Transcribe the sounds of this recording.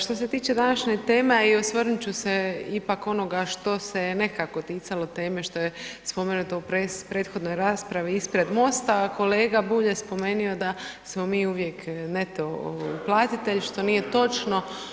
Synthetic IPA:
ʃt̪o̞s̬e̞t̪iːt͡ʃe̞d̪anaʃɲet̪e̞ːmeiosʋərnut͡ɕuseipako̞no̞ɡaʃt̪o̞se̞ne̞kako̞t̪iːt̪salo̞t̪e̞ːme̞ʃt̪o̞jespome̞nut̪oupɾepɾeːt̪xo̞d̪no̞jɾaːspɾaʋiispɾe̞d̪mo̞st̪ako̞le̞ːɡabuːʎespo̞me̞nio̞d̪asmo̞miːuʋje̞knet̪o̞plˠaːt̪it̪eʎʃt̪o̞niːje̞t̪o̞t͡ʃno̞

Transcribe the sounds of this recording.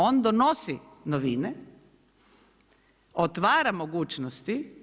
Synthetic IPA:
ond̪onosi | noʋine | ot̪ʋaːɾamoɡuːt͡ʃnost̪i

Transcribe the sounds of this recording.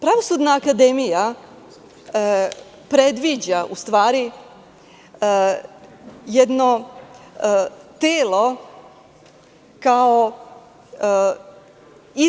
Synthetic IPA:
pɾaʋo̞sud̪naːkad̪emija | pɾed̪ʋid͡ʑaʔust̪ʋaːɾi | jed̪no | t̪eːlˠo̞ | kao | i

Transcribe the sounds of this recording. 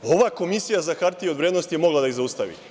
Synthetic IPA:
o̞ʋako̞misijazaxaɾt̪iod̪vɾjed̪nost̪ijemoɡlˠad̪aizaust̪aʋḭː

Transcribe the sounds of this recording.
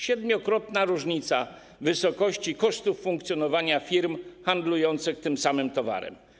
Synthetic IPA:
ɕɛd̪mʲjɔkɾɔt̪naɾuʐɲit̪sa̰ | vɘsɔkɔɕt͡ɕikɔʂt̪ufːuŋk̚t̪sʲjɔnɔvaɲafʲiɾmxand̪lujɔnt̪sɘxt̪ɘmsamɘmt̪ɔva̰ɾɛ̰m

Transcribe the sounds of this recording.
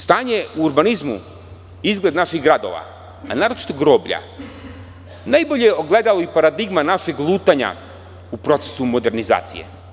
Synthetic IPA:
st̪aːɲeuːɾbanizmṵ | izɡlˠe̞d̪naʃiɣɡɾad̪o̞̰ʋa̰ | anaːɾot͡ʃi̥t̪oɡɾo̞ːbʎa̰ | najboʎejeoɡled̪aloipaɾad̪iɡmanaʃeɡlˠuːt̪aɲa̰ | upɾo̞t̪se̥sumo̞d̪e̞ɾniza̰ːt̪sije̞̰

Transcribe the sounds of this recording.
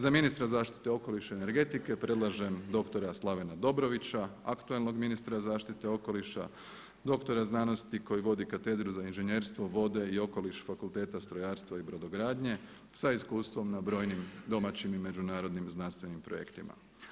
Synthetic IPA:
zaminist̪ɾazaːʃt̪i̥t̪e̞o̞ko̞liʃeːne̞ɾɡe̞t̪ike̞pɾe̞d̪lˠaʒe̞md̪o̞kt̪o̞ɾaslˠaʋe̞nad̪o̞bɾo̞ʋit͡ɕaakt̪uelˠno̞ɡminist̪ɾazaːʃt̪it̪e̞o̞ko̞liʃa̰ | d̪o̞kt̪o̞ɾaznaːno̞st̪iko̞jiʋo̞d̪ikat̪e̞d̪ɾuzainʒeɲe̞ːɾst̪ʋo̞ʋo̞d̪e̞io̞ko̞liʃfakulˠt̪eːt̪ast̪ɾo̞jaːɾst̪ʋaibɾo̞d̪o̞ɡɾaːd̪ɲe̞ | saiskuːst̪ʋo̞mnabɾo̞ːjnimd̪o̞mat͡ɕimime̞d͡ʒunaːɾo̞d̪nimznanst̪ʋe̞nimpɾo̞̰je̞̰kt̪ima̰

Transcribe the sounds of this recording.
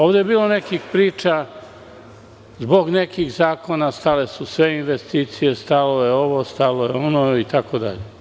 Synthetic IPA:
o̞ːʋd̪ejebiːlo̞nekixpɾiːt͡ʃa | zbo̞ɡne̞kiɣzaːko̞nast̪ale̞susʋe̞inʋest̪iːt̪sije̞st̪alo̞jeoʋost̪alojeonoit̪akod̪a̰ʎe

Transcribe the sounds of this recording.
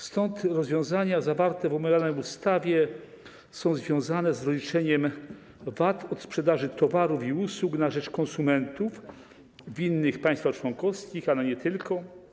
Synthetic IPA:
st̪ɔnt̪ɾɔzvʲjɔ̃w̃zaɲazavaɾt̪ɛvɔmaɡʲalnɛjust̪avʲjɛ | sɔ̃w̃zvʲjɔ̃w̃zanɛzɾɔlʲit͡ʂɛɲɛm | vat̪ɔt̪spʂɛd̪aʐɘt̪ɔvaɾufiuswuknaʐɛt͡ʂkɔ̃nsumɛnt̪uf | vʲinːɘxpaj̃st̪faxt͡ʂwɔnkɔfskʲixalɛɲɛt̪ɘlkʰɔ

